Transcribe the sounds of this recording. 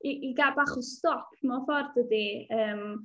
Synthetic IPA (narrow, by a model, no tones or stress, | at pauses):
iʔiɡabaχɔstɔpʰmɔfɔrdədiəːm